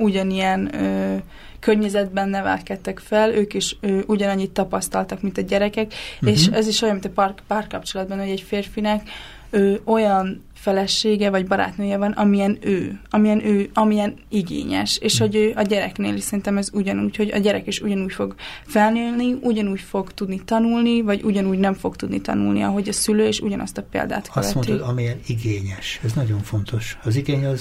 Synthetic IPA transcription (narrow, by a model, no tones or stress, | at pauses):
uɟɒnijɛnøː | kørɲɛzɛd̪̚bɛnːɛvɛ̰lkɛt̪ːɛkfɛløːkiʃøːʔuɟɒnɒɲːit̪ːɒpɒst̪ɒlt̪ɒkmint̪ɒɟɛɾɛkɛkeʃɛziʃojɑnmint̪prpaːrkɒp̚t͡ʃo̞lɒd̪̚bɒnho̞ɟɛɟfeːrfinɛk | øːo̞jɒn | fɛlɛʃeːɡɛvɒɟbɒɾa̰ːt̪nøːjɛvɒnɒmijɛnøːɒmijɛnʔøːɒmijɛniɡḛːɲɛ̰ʃeːʃho̞ɟøːʔɒɟɛɾɛkneːliʃsɛɾint̪ɛmɛzuɟɒnuːcho̞ɟɒ̰ɟɛɾɛkeʃuɟɒnuːcfo̞ɡfɛlneːlniuɟɒnuːcfo̞ɡt̪ud̪nit̪ɒnulnivɒɟuɟɒnuːɟnɛɱfo̞ɡt̪ud̪nit̪ɒ̰nṵlnḭɒɦo̞ɟɒsyløːeːʃṵɟɒnɒ̰st̪ɒpḛːld̪a̰ːt̪kɒstmoioɒmijɛniɡeːɲɛʃɛznɒɟo̞ɱfo̞nt̪ʰo̞ʃɒziɡeːɲɒz